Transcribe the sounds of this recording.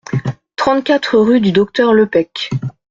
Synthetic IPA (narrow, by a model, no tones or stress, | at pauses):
t̪χɑ̃t̪kʲat̪χəʁyd̪yd̪ɔk̚t̪œʁləpɛkʲ